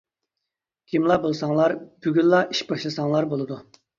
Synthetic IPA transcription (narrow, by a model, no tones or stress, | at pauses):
kʲʰimlˠɑbolˠsɑŋlˠɑɾb̥yɡʲyllˠɑʔi̥ʃbɑʃlˠɨsɑŋlˠɑɾbolˠɨd̪u